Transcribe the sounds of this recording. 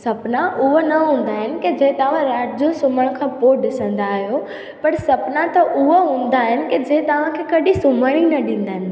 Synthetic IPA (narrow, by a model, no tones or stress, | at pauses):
sɐpnaʔʊɦonɐɦũːn̆d̪aːɦɪnɪ̆ked͡ʑɐɦt̪ɐʋ̤ãɾaːʈd͡ʑosʊməɽ̃kʰãːpoːɗɪsə̃nd̪aːɦijo | pɐɾsɐpnãt̪ɐʔʊɦoɦũːn̆d̪aːɦɪnɪ̆ked͡ʑɐɦɪ̃t̪ɐʋ̤ãkʰeːkɐɗisʊməɽ̃inɐɗĩːn̆d̪aːɦɪ̃n